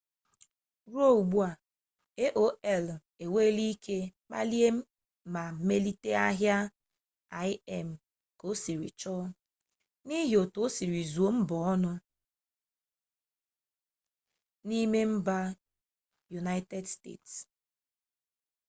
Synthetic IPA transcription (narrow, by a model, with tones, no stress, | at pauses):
ɾo˦˨u˨ɡ͡bu˦a˨ | e˦ʔo˦ɛ˦l | e˨we˦li˦kʰe˦k͡pa̰˦li˦e˦m̩˦ | ma˨me˦li˦te˦a˦ɦja˦ | a˨ɪ˦ɛ˦m̩˨ | ko˦si˨ɾḭ˨t͡ʃɔ˦ | ni˦ɦjo˨to˨˦si˨ɾi˨zu˨o˦m̩˦bɔ˨ɔ˦nʊ˦ | ni˦me˦m̩˦ba˦ | ju˨na˦ɪ˦te˦dstḛ˦˨ts